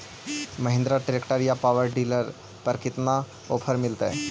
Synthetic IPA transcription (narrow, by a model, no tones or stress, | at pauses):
məɦɪ̃nd̪ɾaʈɾekʈəɾjapaʋəɾɖiːləɾ | pəɾkɪt̪na | oːpʰəɾmɪlt̪ḛ